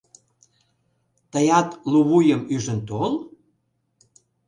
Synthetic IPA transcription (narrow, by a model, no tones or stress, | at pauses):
t̪əjɑt̪luβujəmyʒənt̪ol